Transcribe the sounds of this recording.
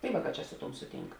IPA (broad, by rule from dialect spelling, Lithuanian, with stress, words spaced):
tɐɪ ˈʋɑːˌkɑː t͡ʃʲɛ ˈsʊ ˌtuɔm ˈsʊˌtʲiːŋk